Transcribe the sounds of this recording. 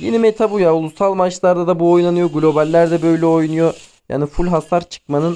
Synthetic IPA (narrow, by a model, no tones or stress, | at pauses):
jenimet̪ʰabujaulˠusalˠmat͡ʃlˠaɾd̪ad̪abuo̞jnanɯjo̞ɡlʲo̞balʲːæɾd̪ɛbø̞jlʲɛo̞jnujo̞ | ja̰ːnifulʲɦasaɾt͡ʃʰɯ̥k̚manɯn